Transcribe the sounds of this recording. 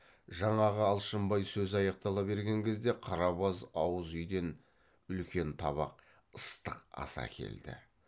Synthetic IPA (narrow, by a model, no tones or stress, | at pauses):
ʒɑɴɑʁəɑlˠʃəmbɑjsɵzɑjɑq̚t̪ɑlˠɑbe̞ɾɡʲe̞ŋkʲʰe̞zd̪e̞qʰɑɾɑβɑzɑwəzʏjd̪e̞n | ʏlkʲe̞nt̪ʰɑβɑ̰q̚ | əst̪əqɑ̰sɑ̰kʲʰe̞̰ld̪ɪ̰